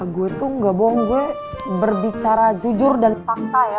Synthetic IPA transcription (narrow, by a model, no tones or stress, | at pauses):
ɡuɛt̪uŋɡabowɔŋɡuɛ | bərbit͡ʃaɾad͡ʒud͡ʒʊrdanpak̚t̪aja